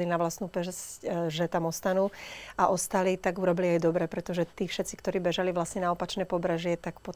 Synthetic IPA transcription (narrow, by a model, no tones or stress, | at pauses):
linaʋlasnuːpɛsccʒɛt̪amɔst̪anuːaʔɔst̪alit̪aɡuɾɔbiliajd̪ɔbɾɛpɾɛt̪ɔʒɛt̪iːfʃɛt̪t͡sikt̪ɔɾiːbɛʒaliʋlasɲɛnaɔpat͡ʃnɛːpɔbɾɛʒɪɛt̪akpɔ